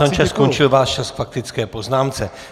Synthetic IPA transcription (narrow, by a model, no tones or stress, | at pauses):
amt͡ʃaskont͡ʃɪlvaːʃt͡ʃasfak̚t̪ɪt͡skɛːpo̞znaːmt͡sɛ